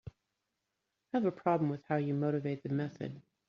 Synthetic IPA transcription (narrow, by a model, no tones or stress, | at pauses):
həvəpʰɹ̥ɑblə̃m̩wɨð̥haʊjɨmoʊɾɨveɪt̪̚ðɨmɛθɨ̰d̥̚